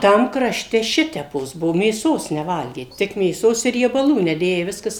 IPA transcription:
ˈtɐm krɐˈʃʲtʲɛ ˈʃʲɪtʲɛpoːs ˈbuɔ mʲeːˈsoːs nʲɛˈʋɐlʲɡʲeː tʲɪk mʲeːˈsoːs ɪ rʲiɛbɐˈlˠuː nʲɛˈdʲeːjɛɪ ˈʋʲɪskɐs

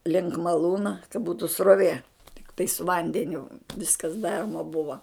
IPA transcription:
lʲɪŋk mɐˈlˠuːnɐ kɐ ˈbuːtʊ sroːˈʋʲeː tʲɪkˈtɐɪ sʊ ˈʋɐnʲdʲɛnʲʊ ˈʋʲɪskɐs ˈdɑːroːmɐ ˈbʊʋɐ

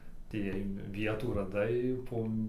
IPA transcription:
ɐtʲeːˈjɛɪ ˈʋʲiɛtuː rɐˈdɐɪ poː

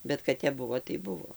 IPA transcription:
ˈbʲɛt kɐt ˈtʲɛp ˈbʊʋoː tɐɪ ˈbʊʋoː

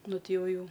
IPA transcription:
ˈnʊ ˈtʲɪ ˈjɛʊ ˈjɛʊ

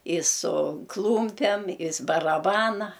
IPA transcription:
ɪ sʊ ˈklˠuːmʲpʲɛm ɪs bɐrɐˈbɑːnɐ

